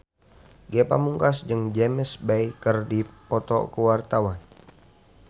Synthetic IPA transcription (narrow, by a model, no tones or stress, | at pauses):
ɡɛpa̰muŋkasd͡ʒəŋd͡ʒɛməsbajkərdipɔt̪ɔ̰kəwart̪awan